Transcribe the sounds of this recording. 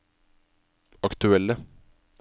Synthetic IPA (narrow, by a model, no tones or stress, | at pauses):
ɑkt̪ʉɛlːə